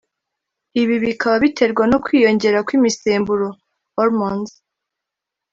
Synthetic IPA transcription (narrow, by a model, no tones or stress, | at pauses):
iβiβikʰaβaβitʰe̞ɾɡwano̞kwiːjo̞ɲɟe̞ɾakwimiseːmbuɾo̞ | oɾmonz